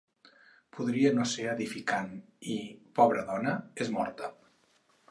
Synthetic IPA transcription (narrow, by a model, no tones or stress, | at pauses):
pʰuðɾiənoseəðifikan | ipɔβɾəðɔnəezmɔ̰ɾt̪ə